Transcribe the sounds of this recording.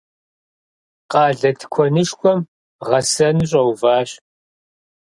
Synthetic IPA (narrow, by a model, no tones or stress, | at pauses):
qɑːɮɐtʰkʷʰɔnɨʂkʷʰʼɔm | ʁɐsɐnɨɕ̬ʼɐwvaːɕ